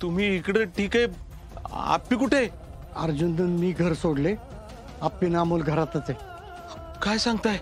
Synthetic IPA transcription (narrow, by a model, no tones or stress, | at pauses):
t̪um̤iːkɽeʈʰiːke | a̰pːikuʈʰe | əɾd͡ʑund̪ənmiːɡʱəɾsoɽle | apːinamolɡʱəɾat̪at͡se | kajsãŋɡt̪aj